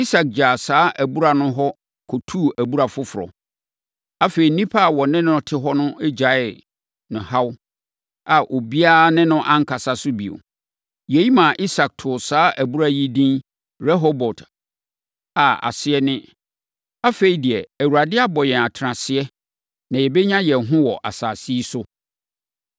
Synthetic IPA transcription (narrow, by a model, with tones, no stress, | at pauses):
i˦sa˨k̚d͡ʑaː˨saː˦ʔæ˨bu˦ɾa˦nʊ̃˦ɦɔ˦ | kʰɔ˨tʰuː˦˨ʔæ˨bu˦ɾa˨fʊ˦fʊ˨ɾɔ̰˨ | a˦fe˨ɾi˨nĩ˦pʰa˦˨wɔ˨nɪ̃˦nʊ̃˦tʰɪ˦ɦɔ˦nʊ̃˦ɪ˦d͡ʑa˨˦ɪ˨l | nʊ̃˨ha˦w | a˨ʔo˨bi˦a˦nɪ̃˦nʊ̃˦ʔã˦ŋ̩˦kʰa˨sa˨sʊ˦bḭ˨o̰˨ | jɛ˨ji˦mã˨ʔi˦sa˨k̚tʰʊ˨saː˦ʔæ˨bu˦ɾa˦ji˦dĩ˦n | ɾɛ˦ɦo˦bɔ˨t | a˨a̰˨sɪ˨ɛ˦nɪ̃˦ | a˦fe˨i˨di˨ɛ˨æ˨wu˨ɾa˨dɪ˦a˦bɔ˨jɛ̃˨a˨tʰɾã˨sɪ˦ɛ˦ | nã˨jɛ˨bɛ˦ɲã˦jɛ˨ɦʊ̃˦wɔ˨ʔa̰˨saː˨si˦sʊ˦